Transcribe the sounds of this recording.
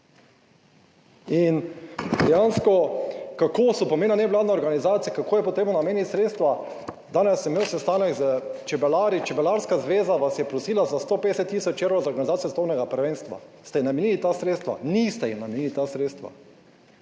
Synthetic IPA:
ind̪ɛjanskɔkakosɔpɔmeːnanɛʋlaːd̪nɛɔɾɡanizaːt̪sijɛkakoːjɛpoɔt̪ɾeːbnɔnameːnjit̪ʲsɾeːt̪st̪ʋa | d̪aːnɛsːɛmːewsɛst̪aːnɛɡzət͡ʃɛbɛlaːɾit͡ʃɛbɛlaɾskazʋeːzaʋasjɛpɾɔsiːlazast̪opeːd̪ɛsɛt̪ːisɔt͡ʃeɾʋazaoɾɡanizaːijost̪ownɛɡapəɾʋeːnst̪ʋa̰st̪ɛjinamɛniːlit̪aːsɾeːt̪st̪ʋa̰nist̪ɛjinamɛnilit̪asɾeːt̪st̪ʋa̰

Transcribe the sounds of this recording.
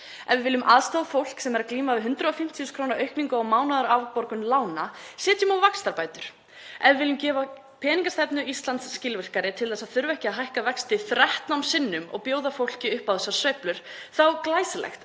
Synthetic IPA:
ɛvɪvɪlːʏmʔaːðst̪aːðfowl̥ksɛmɛɾakliːmavɪɦʏnt̪ɾʏðɔfɪm̥t̪ʰiʏskʰɾownaɾœɥhkniŋkʏɔɣmaːwnaðʏɾawpɔɾkʏnlaːwnasɛːt̪jʏmawvakst̪aɾpaːjt̪ʏɾ̥ | ɛvvɪlːʏmcɛːva | pʰɛːniŋkast̪ɛpnʏist̪lant̪sːcɪlvɪr̥kaɾɪt̪ʰɪlθɛsaðθʏɾvɛhcɪaðɦajhkavɛkst̪ɪθɾɛht̪nawmsɪnːʏmɔ̰ɣpjoːwðafowl̥cɪʏhpawðɛsḁsvœɥplʏɾ̥θawklaːjslɛ̰xt̪

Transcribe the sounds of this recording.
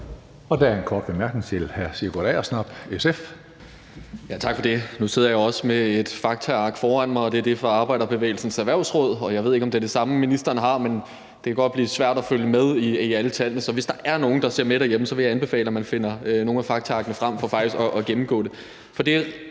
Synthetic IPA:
ɒ̽d̥ææɐenkʰɒːd̥ʋemæɐɡ̥nŋt͡sʰe̝lhæɐsiɐɡ̥od̥ɛ̰ːɒsnɑ̈b̥esef | jæt͡sʰɑ̈ɡ̥fɒd̥e̝nuse̝ð̞̰ˠɐjɑɒ̽səmeed̥fɑ̈ɡ̥̚t͡sʰæɑ̈ɡ̥fɒːæn̰mɑ̈ɪɒ̽d̥e̝æɐd̥efɒɑ̈ːb̥ɑ̈ɪ̰d̥ɐb̥e̝ʋḛːlsn̩sæʋæɐ̰ʊsʁɔð̞̰ˠɒ̽jɑ̈ɪe̝ð̞̰ˠe̝ɡ̥ɒ̽md̥eɐd̥isɑ̈məminisd̥ɐnɦɑ̈men | d̥e̝kʰæɡ̥ɒ̽d̥̚b̥liːsʋæɐ̰d̥æføljəmeð̞ˠiiælət͡sʰæl̰nəsɒ̽ʋe̝sd̥ɑ̈ʔæɐno̝ːn̩d̥ɑ̈se̝ɐ̰med̥ɾæɐjeməsɒʋe̝jɑ̈ænb̥e̝fɛ̰ːləæmænfe̝n̰ɐno̝ːn̩æfɑ̈ɡ̥̚t͡sʰæɑ̈ɡ̥nəfʁam̰fɒ̽fɑ̈ɡ̥d̥isɡ̥ɒʔːɡ̥emm̩ɡ̥ɔ̰̽ːdɾe̝ | fɒ̽d̥e̝

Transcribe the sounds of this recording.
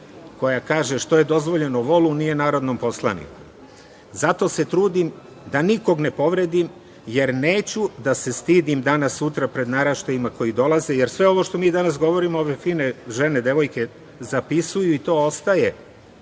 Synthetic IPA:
ko̞jakaːʒe̞ʃt̪o̞je̞d̪o̞zʋo̞ʎe̞noʋo̞lunije̞naːɾo̞d̪nompo̞slˠa̰nḭku | zat̪o̞ːse̞t̪ɾuːd̪im | d̪aniko̞ɡne̞po̞ʋɾe̞d̪im | je̞ɾne̞ːt͡ɕud̪ase̞st̪iːd̪imd̪anasːut̪ɾapɾe̞d̪naːɾaʃt̪ajimako̞jid̪o̞lˠaze̞je̞ɾsʋe̞o̞ʋo̞ʃt̪o̞miːd̪anasɡo̞ʋo̞ɾimooʋe̞fiːneʒe̞ne̞d̪e̞ʋo̞jke̞ | zapisujuit̪o̞ːo̞st̪aje̞

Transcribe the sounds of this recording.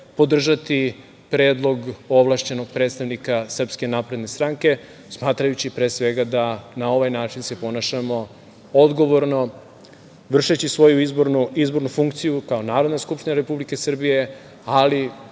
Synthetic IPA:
po̞d̪r̩ʒat̪i | pɾe̞ːd̪lˠo̞ɡoʋlˠaʃt͡ɕe̞no̞ɡ̚pɾet̪st̪aʋnikasr̩pske̞napɾe̞d̪ne̞st̪ɾaŋke̞ | smaːt̪ɾajut͡ɕipɾe̞ːsʋe̞ɡad̪anao̞ʋajnaːt͡ʃinse̞po̞naʃamo̞ | od̪ɡo̞ʋo̞ɾno̞ | ʋr̩ʃet͡ɕisʋo̞juizboɾnuizbo̞ɾnufuŋkt̪sijukao̞naːɾo̞d̪naskupʃt̪iɲnaɾe̞publike̞sr̩bije̞ | ali

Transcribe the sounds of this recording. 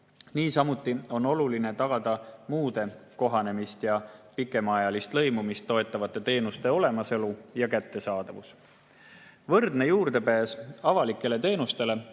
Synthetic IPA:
niːsɑmut̪ːˑio̞no̞luline̞t̪ɑɡ̥ɑd̪̥ɑmuːd̪̥e̞ko̞ɦɑne̞mist̪jɑpikːˑe̞mɑjɑlist̪lɤ̞jmumist̪ːo̞e̞t̪ːˑɑvɑt̪ːˑe̞t̪e̞ːnust̪e̞o̞le̞mɑselujɑkæt̪ːe̞sɑːd̪̥ɑvus | vɤrd̪ne̞juːɾd̪̥e̞pæːsɑvɑlikːˑe̞le̞t̪e̞ːnust̪e̞le̞

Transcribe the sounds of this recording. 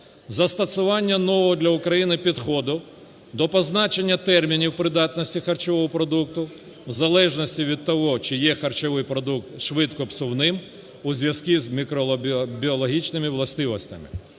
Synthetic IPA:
zɐst̪ɐsʊʋɑnʲːɐnɔʋɔɦɔd̪lʲɐʊkɾɐjinɪpʲid̪xɔd̪ʊ | d̪ɔpɔznɑt͡ʃe̞nʲːɐt̪ɛrmʲinʲiwpɾɪd̪ɑt̪nɔsʲtʲixɐrt͡ʃɔʋɔɦɔpɾɔd̪uk̚t̪ʊ | wzɐlˠɛʒnɔsʲtʲiʋʲid̪̚t̪ɔɦɔt͡ʃɪjɛxɐrt͡ʃɔʋɪjpɾɔd̪ukt̪ʃʋɪt̪kɔpsɔwnɪm | uzʲʋjɐz̥kʲizmʲikɾɔbʲiɔlˠɔɦʲit͡ʃnɪmɪʋlˠɐst̪ɪʋɔsʲtʲɐmɪ̰

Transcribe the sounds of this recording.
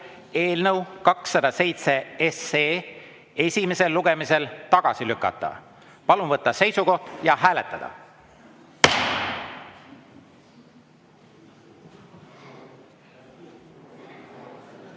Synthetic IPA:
e̞ːlnɤwkɑksːɑd̪̥ɑse̞jt̪se̞eseː | e̞sʲime̞se̞lːuɡe̞mise̞lt̪ɑɡ̥ɑ̰silykːˑɑ̰t̪ːˑɑ̰ | pɑlunvɤt̪ˑːɑse̞jsuko̞ht̪jɑɦæːle̞t̪ːˑɑd̪̥ɑ̰

